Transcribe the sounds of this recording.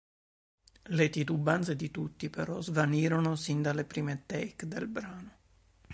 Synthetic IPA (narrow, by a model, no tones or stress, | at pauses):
let̪it̪ubːant̪sed̪it̪ut̪ːipeɾɔzvaniːɾonosind̪alepɾiːmet̪ɛjkd̪elbɾaːno